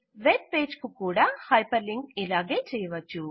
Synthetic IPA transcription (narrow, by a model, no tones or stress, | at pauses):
ʋep̚peːd͡ʒkukuːɽaːhɐjpɐɾliŋɡilaːɡeːt͡ʃɛːjɐʋɐt͡ʃːu